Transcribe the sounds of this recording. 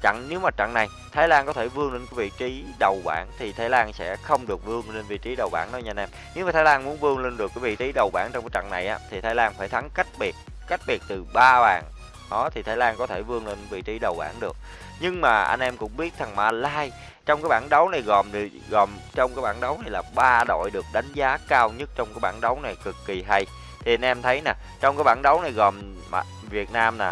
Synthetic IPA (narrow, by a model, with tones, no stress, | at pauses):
t͡ɕa̰˧˨ŋne˨˦wmaː˨˩t͡ɕa̰˧˨ŋna˨˩j | t̪ʰaː˨˦jlaː˧nkɔ˨˦t̪ʰe˧˩vɨ˧əŋli˧nkaː˨˦vḭ˧˨t͡ɕi˨˦ɗə˨˩wɓa̰ː˧˩nt̪ʰi˨˩t̪ʰaː˨˦jlaː˧nsɛ̰˧˥xə˧wŋ͡mɗɨ˨˩ək̚vɨ˧əŋle˧nvḭ˧˨t͡ɕi˨˦ɗə˨˩wɓaː˧˩na˨˧ɲ˧nʔɛ˧m | ɲɨ˧ŋmaː˨˩aː˨˦laː˧nmu˨˦ənvɨ˧əŋli˧nɗɨ˨˩kːvḭ˧˨t͡ɕi˨˦ɗə˨˩wɓaː˧˩ŋt͡ɕɔ˧wŋ͡mkaː˨˦t͡ɕa̰˧˨ŋna˨˩jʔaː˨˦t̪ʰi˨˩t̪ʰaː˨˦jlaː˧nfaː˧˩jt̪ʰa˨˦ŋka˦˥jk̚ɓi˨˩ə | ka˦˥jk̟̚ɓi˨˩ət̚t̪ɨ˨˩ɓaː˧ɓaː˨˩n | ɗɔ˨˦t̪ʰi˨t̪ʰaː˨˦jlaː˧nkɔ˨˦t̪ʰe˧˩vɨ˧əŋle˧nvḭ˧˨t͡ɕi˨˦ɗə˨˩wɓa̰ː˧˩nɗɨ˨˩ək̚ | ɲɨ˧ŋmaː˨˩ʔa̰˧jŋnʔɛ˧mkʊ̰˧˥ŋ͡mɓi˦˥ət̚zʰa˨˩ŋmaː˧˩laː˧j | t͡ɕɔ˧wŋ͡mkaː˨˦jɓaː˧˩nɗə˨˦wna˨˩jɣɔ˨˩m˨˩ | ɣɔ˨˩mt͡ɕɔ˧wŋ͡mkaː˨˦jɓaː˧˩nɗə˨˦wna˨˩jlaː˨˩ɓaː˧ɗo̰˧˨jɗɨ˨˩ək̚ɗa˨˦jŋ̟zaː˨˦kaː˧wɲə˦˥t̚t͡ɕɔ˧ŋ͡mkaː˨˦jɓaː˧˩nɗə˨˦wna˨˩jkɨ˨˩kːi˨˩ɦa˧j | t̪ʰi˨˩ʔa˧nʔɛ˧mt̪ʰə˨˦jnaː˨˩ | t͡ɕɔ˧wŋ͡mkaː˨˦jɓaː˧˩nɗə˨˦wna˨˩jɣɔ˨˩m | ma̰˨˩ | vi˨˩ət̚naː˧mnaː˨˩